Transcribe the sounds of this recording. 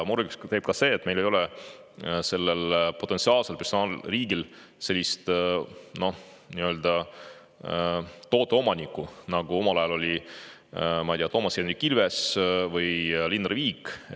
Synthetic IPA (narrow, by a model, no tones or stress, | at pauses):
muɾɡust̪e̞ːb̥̚kɑse̞ːt̪ːme̞jlejo̞lɛ | se̞lːelpo̞t̪ːˑensiɑːlselpersonɑːlriːɡilse̞lʲːist̪no̞ | niø̞ːld̪̥ɑ | t̪o̞ːt̪ːˑeo̞mɑnʲikːˑunɑɡ̥uo̞mɑlɑjɑlo̞lʲi | mɑit̪ijɑt̪o̞ːmɑsienikːilvesvɯjlinriviːkː